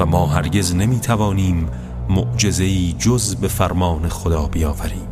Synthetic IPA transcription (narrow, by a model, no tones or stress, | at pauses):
væmɒːɦæɾɟeznemiːt̪ʰævɒːniːmː | oʔd͡ʒe̞ze̞iːd͡ʒozbe̞fæɾmɒːnexod̪ɒːbijɒːvæɾiːm